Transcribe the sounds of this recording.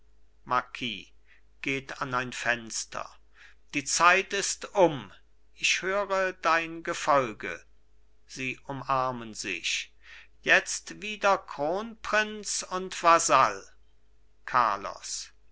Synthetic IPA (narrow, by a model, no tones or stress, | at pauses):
maɐkʰḭː | ɡ̥eːtanaɪnfɛnstʰɐ̰ | d̥iːt͡saɪtɪstʊm | ʔɪçhøːʁədaɪnɡəfɔlɡə̰ | z̥iːʔʊmaɐmənzɪ̰ç | jɛt͡stv̥iːdɐkʁ̥oːnpʁ̥ɪnt͡sʊntv̥azal | kʰa̰ɐlɔ̰s